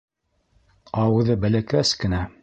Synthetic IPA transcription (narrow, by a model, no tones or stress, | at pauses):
ɑwɤ̆ðɤbælækæskɘ̆næ